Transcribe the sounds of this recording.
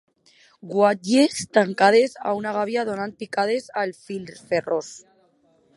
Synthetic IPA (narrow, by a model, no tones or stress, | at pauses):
ɡwaʎest̪aŋkaðesa̰unaɣ̞aβjaðonant̪̚pikað̞ezalfilferos